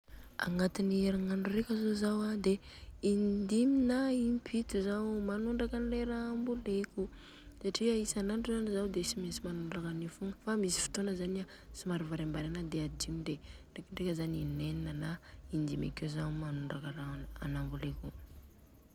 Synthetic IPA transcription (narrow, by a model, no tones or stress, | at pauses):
a̰ŋat̪inieɾaŋaɳɖ͡ʐurekʲazozawad̪eind̪iminaimpʰit̪uzawmanuɳɖ͡ʐakanleɾaambuleku | saʈ͡ʂiaisanaɳʈ͡ʂuzanizawd̪esimesimanuɳɖ͡ʐakənifuŋəfamisi̥fi̥t̪onəzania | simaɾuvaɾambaɾanad̪ead̪imid̪eɳɖ͡ʐekɳɖ͡ʐekʲəzanineninənaind̪ima̰kewzawmanuɳɖ͡ʐakəɾaa̰nambuleku